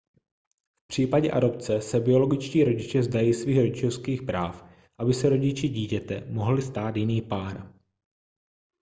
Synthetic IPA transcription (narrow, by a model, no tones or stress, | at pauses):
fpr̝̥iːpaɟɛʔa̰do̞p̚t͡sɛsɛbɪo̞lo̞ɡɪt͡ʃciːɾo̞ɟɪt͡ʃɛzdajiːsviːxɾo̞ɟɪt͡ʃofskiːxpɾaːf | ʔabɪsɛɾo̞ɟɪt͡ʃɪɟiːcɛt̪ɛ̰mo̞ɦlɪst̪aːt̪jɪniːpaːɾ